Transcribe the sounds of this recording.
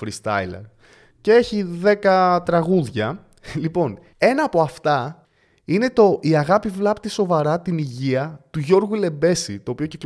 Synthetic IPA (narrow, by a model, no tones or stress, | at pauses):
fɾist̪ɐ̰jlḛɾ | cee̞çiðe̞kɐt̪ɾɐɣuðʝɐ | lipo̞n | e̞nɐːpo̞ɐft̪ɐ | ine̞t̪o̞ʔiɐɣɐpivlɐpt̪iso̞vɐɾɐt̪iniʝiɐt̪uʝo̞ɾɣule̞be̞sit̪o̞ːpiocek